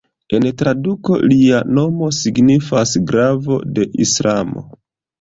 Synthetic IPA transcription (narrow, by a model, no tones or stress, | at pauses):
e̞ntɾaduko̞̰liano̞mo̞siɡnifasɡɾavo̞̰de̞ʔislʔamo̞̰